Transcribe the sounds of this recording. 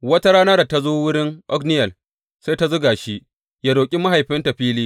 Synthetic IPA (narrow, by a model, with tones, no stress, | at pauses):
wɐ˦ta˦ɽaː˦nɐ˦ɾta˦zoː˦wʊ˦ɽɪ˦ŋʔɔ̰˦knɪ˦jɐ˨l | se˦jta˦zʊ˦ɡaː˨ʃi˦ | jaː˦doː˨kʲʼi˦ma˦ɦa˨jɸɪ˦ntɐ˨ɸiː˦liː˦